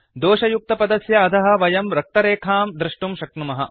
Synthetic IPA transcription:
d̪oːʃɐjuk̚t̪ɐpɐd̪ɐsjɐːt̪ʰɐɦɐ̆ʋɐjɐmɾɐk̚t̪ɐɾeːkʰaːmd̪ɾɪʂʈumʃɐknumɐɦɐ

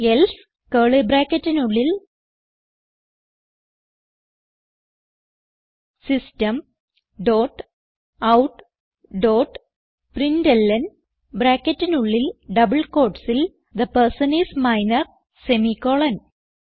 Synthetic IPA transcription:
els | keːɭebɾaːkːɐtːinuɭːil | sistɐm | ɖoːʈ | ɐwʈ | ɖoːʈ | prindelːɐn | bɾaːkːetːinuɭːilɖɐbɨlkoːʈsil | d̪ɐpɐrsɐnismɐjnɐr | semikoːɭɐn

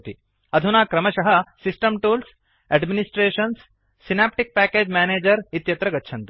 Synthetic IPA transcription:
t̪i | ɐd̪ʱunaːkɾɐmɐʃɐɦɐ̆sisʈɐmʈuːls | eɖminisʈɾeːʃɐnsː | inaːp̚ʈik̚pæːkeːd͡ʒmæːneːd͡ʒɐɾit̪jɐt̪ɾɐɡɐtːʃʰɐnt̪u

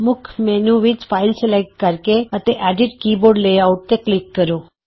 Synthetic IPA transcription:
mʊkʰmenũʋid͡ʒfailselaiʈ̚kaɾkeət̪eʔaɖiɖkiboɾɖlejauʈ̚t̪eklikːəɾũ

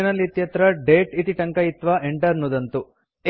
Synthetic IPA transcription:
ɐnɐlːit̪jɐt̪ɾɐɖeːʈit̪iʈɐŋkɐjit̪ʋɐʔeɳʈɐɾnud̪ɐnt̪u | e

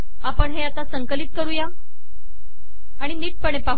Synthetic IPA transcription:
apəɳɦeat̪asəŋkəliːt̪̚kəɾuːja | aɽ̃iniːʈ̚pəɳ̃epaɦu

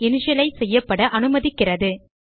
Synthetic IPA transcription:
ɛnɯʂɐlɐɪsɛjːɐpːɐɽɐʔɐnɯmɐðɪkːɪrɐðɯ

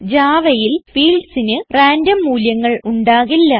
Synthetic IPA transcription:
d͡ʑaːʋɐjilfiːlɖsinɨraːndɐmːuːljɐŋːɐɭuɳɖaːɣilːɐ

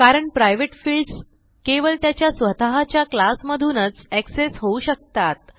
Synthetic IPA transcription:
kaɾəɳpɾajʋeʈfilɖs | keʋəlt̪jat͡ɕjasʋət̪aɦat͡ɕjaklasməd̪ʱuːnət͡sæksesɦouɕək̚t̪at̪̚

